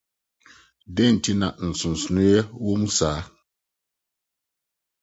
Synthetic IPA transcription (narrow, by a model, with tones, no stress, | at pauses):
dɛ˦˨n̩˨ti˦na˨n̩˨su˨n˨su˨nu˦jɛ˦wo˦mu˦saː˨˦